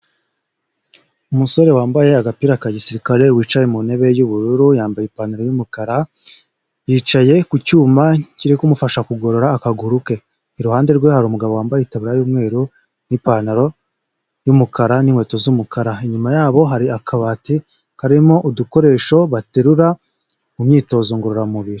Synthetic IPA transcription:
umuso̞ɾe̞waːmbaje̞aɡapiːɾakaɟisiɾikaɾe̞wiːt͡ʃajemune̞βe̞juβuɾuɾujaːmbajepaːnaɾojumukaɾa | jiːt͡ʃaje̞kucuːmaciɾikumufaʃakuɡo̞ɾo̞ɾaːkaɡuɾuke̞ | iɾuhaːnde̞ɾɡwe̞haɾuːmuɡaβowaːmbajeitaβiɾajuːmŋe̞ːɾu | nipanaɾo̞ | jumukaɾanimwe̞ːto̞zumukaɾaiɲumajaːβo̞ɦaɾiakʰaβati | haɾimo̞ʔuduko̞ɾe̞ːʃo̞βateɾuɾa | umɲiːto̞ːzoŋɡuɾoɾamuβiɾi

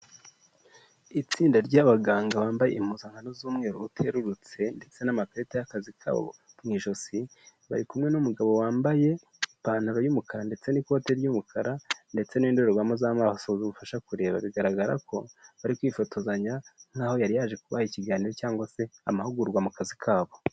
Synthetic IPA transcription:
it͡siːndaɾɟaːβaɡaːŋɡaβaːmbajḛim̥huːzaŋ̥hanozuːmŋe̞ːɾoutʰe̞ɾuɾut͡se̞nde̞t͡se̞namapɾetejakazikʰa̰β̰βo̰ | mŋiːʃo̞siβa̰ɾikumŋe̞numuɡaβo̞waːmbaje̞ | ipaːn̥aɾojumukʰaɾande̞t͡se̞niko̞ːte̞ɾjumukʰaɾande̞t͡se̞niːndo̞ɾoβamozamaːhasozuβufaʃakuɾe̞ːβaβiɡaɾaɡaɾa̰ko̞βaɾikwifo̞tʰo̞zaɲan̥haːho̞jaɾijaːʒe̞kuβahiciɡaːniɾo̞caːŋɡwase̞amahuɡuɾɡwamukazikʰaːβo̞

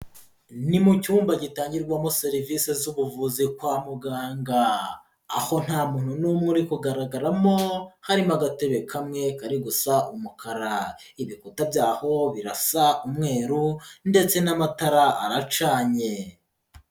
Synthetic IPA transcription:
nimucuːmbaɟitaːɲɟiɾɡwamo̞seɾivisezuβuvuzikwaːmuɡaːŋɡa̰ː | ho̞n̥haːmuːn̥hunumŋuɾikuɡaɾaɡaɾamo̞haɾimaɡateβekʰamŋe̞kaɾiɡusaʔumukʰaɾa | iβikutabɟaːho̞βiɾasaumŋe̞ːɾunde̞t͡se̞namataɾaʔa̰ɾat͡ʃaːɲe̞

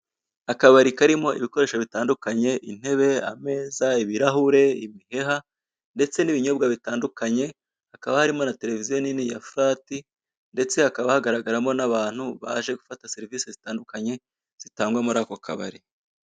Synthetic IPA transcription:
akaβaɾikaɾimo̞ʔiβiko̞ɾe̞ːʃoβitaːndukaɲe̞ʔin̥he̞βe̞a̰me̞ːzaiβiɾahuɾe̞imihe̞ɦa | nde̞t͡se̞niβiɲo̞b̚ɡaβitaːndukaɲe̞ | hakaβahaɾimo̞nate̞ɾe̞vizijo̞ninija̰fuɾaːti | nde̞t͡se̞akaβahaɡaɾaɡaɾamo̞naβaːn̥huβa̰ʒe̞ɡufatase̞ɾiviːsezitaːndukaɲe̞ | z̥itaːŋɡwamuɾaːko̞kʰa̰βa̰ɾi

